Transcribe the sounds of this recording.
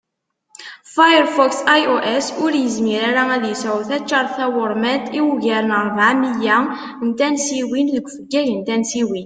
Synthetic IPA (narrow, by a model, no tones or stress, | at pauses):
fajəɾfɔksajʔoʔɛsʊɾjəzmiɾaɾææðjəsæwθæt͡ʃːɑɾˤθæwəɾˤmæt̪iwʝæɾənəɾˤvʕamijæ | nt̪ænsiwinðəɡʷfəɡːæʝənt̪ænsiwin